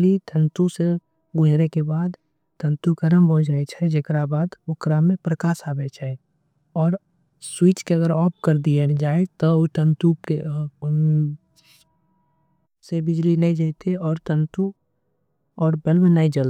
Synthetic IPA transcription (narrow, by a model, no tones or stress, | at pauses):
lit̪ʰə̃nt̪use | ɡʊd͡ʒɾekebaːd̪ | t̪ʰə̃nt̪ukəɾəmbʱod͡ʒaːet͡ʃʰɛd͡ʒekɾabaːd̪ʊkɾamẽpɾəkaːʃaːbɛt͡ʃʰae | ɔːɾ | swit͡ʃkeɐɡəɾɔːp̚ʰkəɾd̪ied͡ʒaːet̪ɔot̪ʰə̃nt̪uke | sebɪd͡ʒlinaĩd͡ʒat̪ʰeɔːɾt̪ʰə̃nt̪u | ɔːɾbelmenaːid͡ʒəl